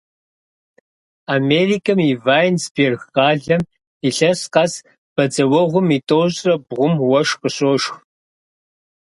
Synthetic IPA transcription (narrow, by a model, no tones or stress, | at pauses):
ameːriːkʰɐmivaːjnsberxaːɮɐm | iɬɐsqɑs | b̥ɐd͡zɐwɔʁʷʊmitʼowɕʼrɐbʁʷʊmwɐʃqəɕʼoːʃx